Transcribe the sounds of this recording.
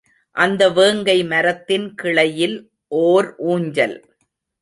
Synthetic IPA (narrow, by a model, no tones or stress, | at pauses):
ʔɐnd̪ɐʋeːŋɡɐɪmɐɾɐt̪ːɪnkɪɭɐjɪl | ʔoːɾʔuːɲd͡ʒɐ̰l